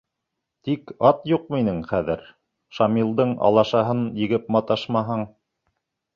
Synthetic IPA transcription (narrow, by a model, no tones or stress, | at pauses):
t̪ikɑt̪juqminɘŋχæðɘɾ | ʃɑmilˠd̪ɤɴɑ̰lˠɑʃɑɦɤnjɘ̆ɡɘp̚mɑt̪ɑʃmɑɦɤɴ